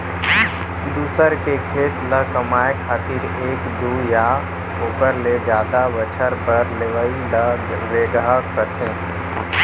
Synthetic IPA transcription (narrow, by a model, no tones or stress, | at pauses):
d̪uːsəɾkekʰeːt̪ləkəmaːekʰaːt̪ɪɾ | eːkd̪uːja | oːpəɾled͡ʒaːd̪aʋət͡ʃʰəɾpəɾleʋəiləɡ | ɾeːɡakət̪ʰẽː